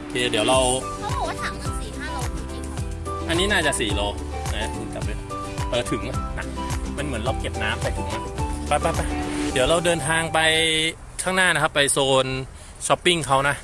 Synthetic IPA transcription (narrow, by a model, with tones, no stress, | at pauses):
t̪ʰiː˧˩˦d̪i˩˦wɾa˧wʰ | ɔ˥pʰo˨˦waː˦˥t̪ʰa˨˩˦mna˧˩˦siː˨˩kʰa˥˩˨ | ʔa˧nːiː˦˥naː˥˩t͡ɕa˨˩ʔsiː˨˩loː˧ | na˦˧tʰɯ˧˩kɛ̰˨˩˧ | ʔɤː˧˩t̪ʰɯ˨˩˦ŋa˧˩na̰˨˩˦k̚ | ma˧nmɯ˩˦nla˧wke˨˩p̚naː˦˥mpʰa˧jt̪ʰːŋa˧˩pa˧˩pːa˧˩pːa˧˩d̪i˩˦wɾa˧wdɤː˧nt̪ʰaː˧ŋpa˧j | kʰaː˥˩ŋnaː˥˩na˦˥kʰa˦˥pːa˧jsoː˧n | t͡ɕʰɔ˦˥pːi˥˩ŋkʰa˦˥wna˦˥ʔ